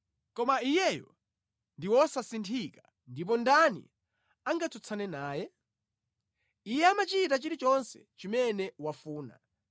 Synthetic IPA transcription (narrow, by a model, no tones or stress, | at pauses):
kɔmaijɛjɔ̰ | ndiwɔsasintʰika | ndip̬ɔndanḭ | aŋɡatʰut͡sʰanɛnaːjɛ | ijɛamat͡ʃitat͡ʃiɾit͡ʃɔnsɛt͡ʃimɛnɛwafuːna̰